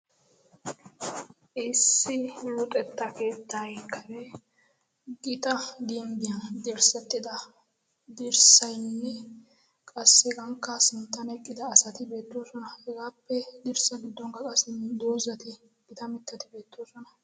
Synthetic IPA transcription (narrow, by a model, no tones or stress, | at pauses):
ʔɪsːɪlʊt̪ʼɛt̪ːɐke̞ːt̪ːɐkːɐɾɛ | ɡɪt̪ɐd̪imbɪjɐnd̪ɛɾsɛt̪ːɪd̪ɐ | d̪ɪɾsɐjnːɛ | kʼɐsːɛɡɐŋkːɐsɪnt̪ːɐnɛkʼːɪd̪ɐːsɐt̪ɪbe̞ːt̪ːoːsɔnɐhɛɡaːpːɛd̪ɪɾsɐɡɪd̪ːɔŋkɐkʼɐsɪnd̪oːzɐt̪ɪ | ɡ̥ɪt̪ɐmɪt̪ːɐt̪ɪbe̞ːt̪ːoːsɔnɐ